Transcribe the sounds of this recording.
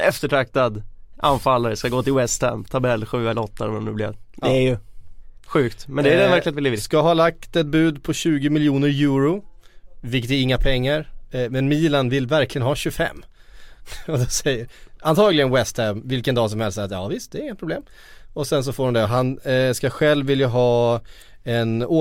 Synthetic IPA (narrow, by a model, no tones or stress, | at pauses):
ɛft̪əʈʰɾak̚t̪ad̪ʔa̰nfalːaɾəskaɡoːt̪ɪlwɛst̪ʰɛ̰mt̪ʰabɛlːɧʉːɛlɔt̪ʰːaɔ̰mɔmnʉ̰ːblɪ̰d̪ɛæɾjɵ | ɧʉ̟ːkt̪mɛnd̪ɛːɛvæɾklɪat̪vɪlɪːskaɦɑːlak̚t̪ɛt̪̚bʉ̟ːd̪pʰɔɕʉ̟ːɡɪmɪljuːnəɾjʉːɾʊ | vɪk̬ːət̪æɾɪŋːapʰɛŋːaɾmɛnmiːlanvɪlːvæɾklɪɡənɦɑːɕɵfɛ̰mː | ɔd̪sɛjəɾant̪ʰɑːɡlɪɡənwɛst̪ʰæmvɪlkənd̪ɑːs̬ɔmhɛlst̪sɛjat̪jɑ̰ːvɪst̪̚d̪ɛɾɪŋːət̪̚pʰɾʊbleːm | ɔsɛns̬ɔfoːɾhɔnd̪ɛɦanskaɧɛlvːɪljaɦɑː | ɛnoː